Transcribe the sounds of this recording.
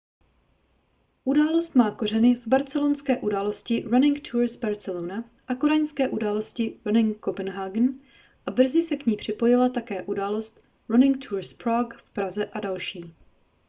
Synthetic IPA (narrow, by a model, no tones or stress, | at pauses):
ʔudaːlo̞st̪maːko̞rɛnɪvbaɾt͡sɛlonskɛːʔudaːlo̞scɪɾanɪŋkt̪ʰuːɾsbaɾt͡sɛlona | ʔakoɾajskɛːʔudaːlo̞scɪɾanɪŋkopɛnɦaɡn̩ | ʔabr̩zɪsɛkɲiːpr̝̥ɪpo̞jɪlat̪akɛːʔudaːlo̞st̪ | ɾanɪŋk̚t̪ʰuːɾspɾakfpɾazɛʔadalʃiː